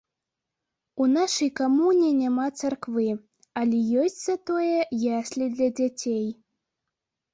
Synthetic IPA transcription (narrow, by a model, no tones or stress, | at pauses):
unaʂɐjkamunʲinʲamat̪sarkvɨ | alʲɛjɔsʲt͡sʲzat̪ɔjɛjasʲlʲid̪lʲɐd͡zʲat͡sʲej